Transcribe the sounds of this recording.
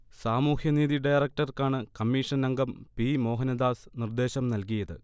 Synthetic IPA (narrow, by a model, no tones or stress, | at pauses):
saːmuːhjɐniːðiɖɐjɐrɐk̚ʈɐrkaːɳɨkɐmːiːʂɐnɐŋɡɐmpimo̞ːɦɐnɐd̪aːsnird̪e̞ːɕɐmnɐlkijɐðɨ̰